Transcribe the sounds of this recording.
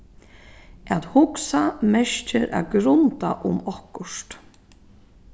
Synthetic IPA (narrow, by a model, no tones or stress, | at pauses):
ʔat̪hʊksamɛʃt͡ʃɪɾa̰ɡɾʊnt̪aʔʊmɔhkʊʂt̪